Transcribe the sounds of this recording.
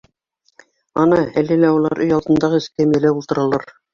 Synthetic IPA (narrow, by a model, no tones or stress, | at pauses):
ɑnɑælɘlæulˠɑ̰ɾʔɵjɑlˠd̪ɤ̆nd̪ɑʁɤɘ̆sk̪æmijælæulˠt̪ɤ̆ɾɑlˠɑɾ